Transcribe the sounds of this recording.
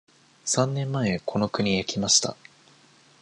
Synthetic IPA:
sãnːẽ̞mːae̞kʰo̞no̞kɯ̟ɲ̟ijakʲimaɕi̥t̪a̰

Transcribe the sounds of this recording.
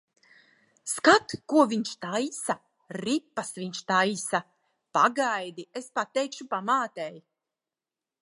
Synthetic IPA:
skat̪kuɔviɲʃt̪ajsa | ɾipːasviɲʃt̪ajsa | paɡajd̪iespat̪ːɛjkʃupamaːt̪ɛj

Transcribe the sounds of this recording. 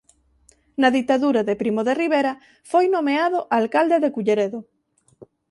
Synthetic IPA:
nɐðit̪aðuɾaðepɾimoðeriβeɾɐ | fojnomeaðoʔalkald̪eðekuʎeɾeðo

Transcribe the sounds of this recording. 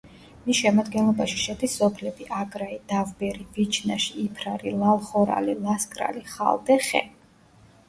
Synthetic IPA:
miʃɛmad̪ɡɛnlˠɔbaʃi̥ʃɛd̪isːɔpʰlɛbiʔaɡɾaid̪̥avbɛɾivit͡ʃʰnaʃiːpʰɾaɾilˠalˠχɔɾa̰lilˠaskʼɾa̰liχa̰lˠd̪ɛχɛ̰

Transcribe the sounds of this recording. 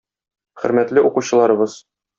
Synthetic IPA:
χɵ̆ɾmæt̪lɘʔuquɕɤ̆lˠɑɾɤ̆bɤz̥

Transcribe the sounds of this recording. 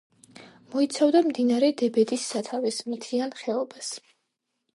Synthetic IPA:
mɔit̪sʰavd̪amd̪inaɾɛd̪ɛbɛd̪isːat̪ʰavɛsmit̪ʰianχɛɔbas

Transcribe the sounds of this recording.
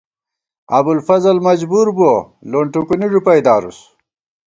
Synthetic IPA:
ɐbulfɐzɐlmɐd͡ʑbuɾbuo | loːɳʈukuniɖupɐjd̪aːɾṵs

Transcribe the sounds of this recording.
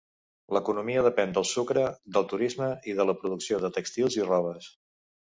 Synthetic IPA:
ləkunumiəð̞əpɛnd̪əlˠsukɾəd̪əlˠt̪uɾizməiðələpɾuðuksioðət̪əkst̪ilˠzirɔβ̞əs

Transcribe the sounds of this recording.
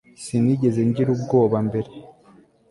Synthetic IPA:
siniɟe̞ze̞ɲɟiɾubɡo̞ːβambe̞ɾe̞

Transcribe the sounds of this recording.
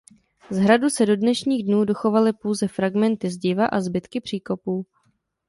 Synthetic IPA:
zɦɾadusɛdo̞dnɛʃɲiːɣdnuːdo̞xo̞valɪpowzɛfɾaɡmɛnt̪ɪzɟɪvaʔazbɪt̪kɪpr̝̥iːko̞puː

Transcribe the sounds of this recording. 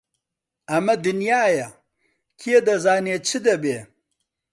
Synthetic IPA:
ɐmɐd̪unjaːjɐ | kʰijed̪ɐzaːneːt͡sʰɨd̪ɐbeː

